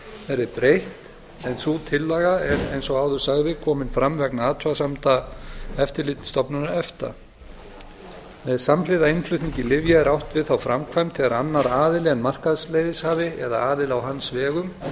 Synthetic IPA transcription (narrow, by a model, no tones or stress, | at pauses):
ɛɾðɪɾpɾejht̪ | ɛnsut̪ʰɪlːaɣaɛnejnsɔɣaːwðʏɾ̥saɣðɪkʰɔːmɪnfɾamvɛknaːðt̪ʰasamt̪aɛft̪ɪɾlɪt̪st̪ɔpnʏnaɛft̪a̰ | mɛðsamlɪðaɪnflʏht̪niɲcɪlɪvjaɛɾawht̪vɪðθawfɾamkʰvajmt̪ʰɪɣaɾanːaɾaːðɪlɛnmar̥kaðslejðɪshaːvɪɛðaaːðɪlawɦanːsvɛːɣʏm